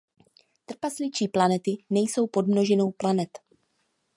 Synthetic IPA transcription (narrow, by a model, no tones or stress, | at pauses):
t̪r̩paslɪt͡ʃiːplanɛt̪ɪnɛjso̞wpo̞dmno̞ʒɛno̞wplanɛt̪